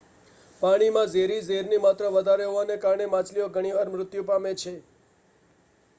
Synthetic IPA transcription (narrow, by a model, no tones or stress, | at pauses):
paɽ̃imãzeɾizeɾnimat̪ɾəʋəd̪ʱaɾeɦoʋanekaɾɳemãt͡ʃlioɡʱəɽ̃iʋaɾmɾʊt̪jũpamet͡ʃʰe